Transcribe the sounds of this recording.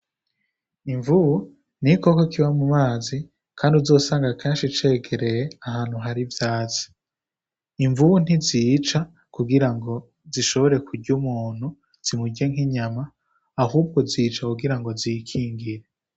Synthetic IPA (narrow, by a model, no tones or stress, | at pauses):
iɱvuβu | n̥iko̞kokiβamumaːzi | kʰaːndiuzo̞ːsaːŋɡakʰeːnʃit͡ʃe̞ːɡe̞ɾe̞jeaɦaːn̥huɦaɾivjaːt͡si̥ | iɱvuβun̥iziːt͡ʃa | kuɡiɾaŋɡo̞ | ziʃo̞βo̞ɾe̞kuɾɟumuːn̥hu | z̥imuɟeŋhiɲamaː | ɦuːb̚ɡo̞ziːt͡ʃakuɡiɾaŋɡo̞zikʰiːŋɡiɾe